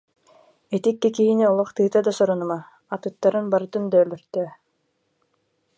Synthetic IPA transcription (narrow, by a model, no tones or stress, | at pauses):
ɛt̪ikːɛkiɦiniɔlˠɔχt̪ɯːt̪ad̪asɔɾɔnɯmaː | t̪ɯt̪ːaɾɯnbaɾɯt̪ɯnd̪œːlœɾt̪øː